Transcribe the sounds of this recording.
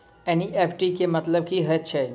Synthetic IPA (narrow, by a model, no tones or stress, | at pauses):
eñiʔepʰʈikemət̪ləb̚kiɦət͡ʃʰe